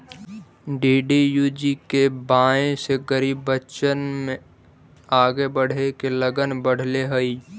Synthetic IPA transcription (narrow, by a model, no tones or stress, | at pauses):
ɖiːɖijud͡ʒikebaːẽseɡəɾiːbːət͡ʃʃənmẽ | aːɡebəɽ̤ekeləɡənbəɽ̤leɦəiː